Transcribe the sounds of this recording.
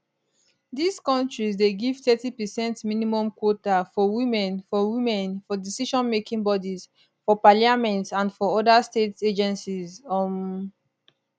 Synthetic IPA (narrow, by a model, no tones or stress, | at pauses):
diskɔ̃ntɹizdeɡivtɛtipɛsɛ̃ntminimɔ̃mkwotafɔwimɛ̃nfɔwimɛ̃nfɔdisiʃɔ̃nmekĩŋbɔdiz | fɔpaliamɛ̃ntãndfɔɔdasteted͡ʒɛ̃nsizɔm